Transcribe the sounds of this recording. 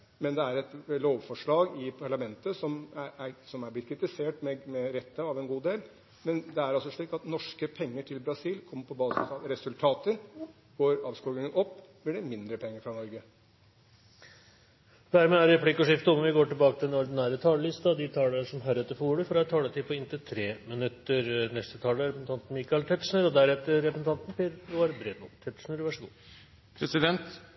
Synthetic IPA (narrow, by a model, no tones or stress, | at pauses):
mɛnd̪ɛæɾɛt̪loːʋfɔʂɭɑːɡɪpʰɑɭɑmɛnt̪əsɔmææsɔmæblɪt̪̚kʰɾɪt̪ɪseːʈmɛmɛɾɛt̪ʰːəɑʋɛnɡuːd̪eːl | mɛnd̪ɛæɾɑlsɔʂɭiːkt̪ɑt̪nɔʂkəpʰɛŋːəʈʰɪlbɾɑsiːlkʰɔmːəpʰɔbɑːsɪ̰sɑʋɾɛsʉlt̪ʰɑːt̪əɾ | ɡ̥oːɾɑːʋskuːɡɪŋənɔpː | ʋɪɖɛmɪnd̪ɾəpʰɛŋːəɾfɾɑnɔɾɡə | d̪æɾmeːæɾɾɛplɪkːɔʂɪft̪əɔmʋɪɡoːʈɪlbɑːkət̪ɪlɛnɔɾɖ̪ɪnæːɾət̪ʰɑːləlɪst̪ɑd̪ɪt̪ʰɑːləʂɔmɦæɾɛt̪ːəɾfɔuːɽəfɔɾɛt̪ʰɑːlət̪ʰɪpʰɔɪnt̪ət̪ʰɾeːmɪnʉt̪ːəɾnɛst̪ət̪ʰɑːləɾɛpəsn̩t̪ʰɑnt̪n̩miːkɑɪlt̪ʰɛt̪ʂɳəɾɔd̪æɾɛft̪əɾɛpɾəsn̩t̪ʰɑnt̪npeːɾlʊɑɾbɾed̪mʊt̪ʰɛt̪ʂɳəɾʋæʂəɡṵː | pʰɾɛsɪd̪ɛnt̪